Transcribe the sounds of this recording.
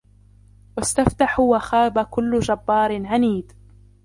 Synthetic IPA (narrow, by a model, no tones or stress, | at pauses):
wast̪aft̪aħʊwaxaːbakʊlːʊd͡ʒabːɑːɾɪnʕaniːd̪